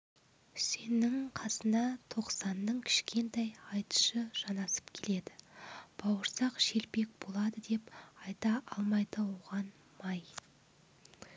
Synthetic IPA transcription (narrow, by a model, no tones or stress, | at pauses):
se̞nɪŋqʰɑsənɑt̪ʰo̞qsɑnːəɴkʲʰɪ̥ʃkʲʰe̞nt̪ɑjɑjt̪ə̥ʃəʒ̥ɑnɑsə̥pkʲʰele̞d̪ɪb̥ɑwəɾsɑqʃe̞lpe̞k̚b̥o̞lˠɑd̪əd̪e̞pɑjt̪ɑʔɑlˠmɑjd̪əoʁɑn | mɑj